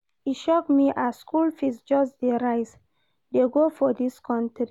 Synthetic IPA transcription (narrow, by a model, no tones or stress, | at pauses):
iʃɔkmiʔaskulfizd͡ʒɔsd̪eɾajs | d̪eɡofɔd̪iskʰɔ̃ntɾi